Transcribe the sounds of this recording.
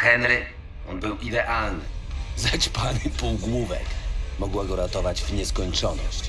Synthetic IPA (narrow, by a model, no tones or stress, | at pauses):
xɛnɾɘ | ɔnbɘwʔid̪ɛʔalnɪzat͡ɕpanɘpuwɡwuvɛ̰kmɔɡwaɡɔɾat̪ɔvad͡ʑvɲɛskɔɲt͡ʂɔnɔɕt͡ɕ